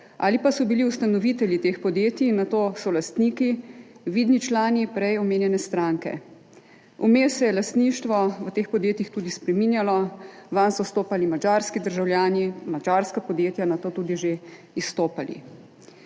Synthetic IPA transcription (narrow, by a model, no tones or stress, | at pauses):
a̰ːlipasɔbiliust̪anɔʋit̪ɛljit̪eːxpɔd̪jeːt̪iːnːat̪oːsɔlast̪niːkiʋiːd̪nit͡ʃlaːnipɾɛjɔmeːnjɛnɛst̪ɾaŋkɛ̰ | ɔmeːsɛjɛlast̪niːʃt̪ʋɔʋət̪eːxpɔd̪jeːt̪jixt̪uːd̪ispɾɛminjalɔʋansɔst̪oːpalimad͡ʒaːɾskid̪əɾʒawljaːnimad͡ʒaːɾskapɔd̪jeːt̪janat̪oːt̪uːd̪iʒe | ist̪oːpalḭ